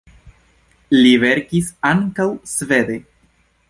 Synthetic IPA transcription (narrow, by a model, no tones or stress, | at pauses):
live̞ɾkisaŋkawsve̞d̪e̞